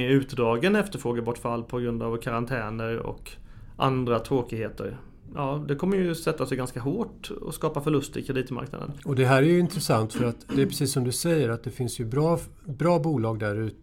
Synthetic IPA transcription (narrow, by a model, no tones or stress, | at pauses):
ɛʉ̟ːt̪d̪ɾɑːɡənɛft̪əɾfɾoːɡabɔʈːfalːpʰɔɡɾɵnd̪avkʰaɾant̪ʰɛːnəɾɔ̰k | ʔa̰nd̪ɾat̪ʰɾoːkɪɡheːt̪ʰə̰ɾ | jɑːd̪ɛkʰɔmːəjɵsɛt̪ːasɛjɡanskaɦoːʈɔ̰skɑːpafœɭɵst̪ɪkʰɾɛd̪iːt̪ma̰ɾkna̰d̪ə̰nɔd̪ɛɦæːɾæjɵɪnt̪ɾɛsant̪fœɾat̪d̪ɛæpʰɾɛsiːsːɔmd̪ɵsɛjːəɾat̪̚d̪ɛfɪnsjɵbɾɑː | bɾɑːbuːlɑːɡ̚d̪æɾʉ̟ːt̪ə